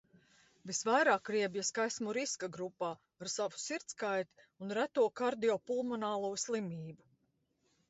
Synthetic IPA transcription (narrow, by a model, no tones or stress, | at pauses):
visvajɾaːkɾiɛbjaskajsmuɾiskaɡɾupaː | aɾsavu̥siɾt̪skajt̪i̥ | unɾæt̪uɔkaɾd̪iɔpulˠmɔnaːlˠuːslˠimiːbu